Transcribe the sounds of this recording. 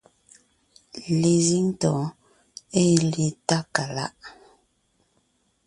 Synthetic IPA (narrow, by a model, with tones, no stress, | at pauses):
le˨zi˦ŋ˦tɔ˨˦ | e˦le˨ta˦ka˨la̰˦ʔ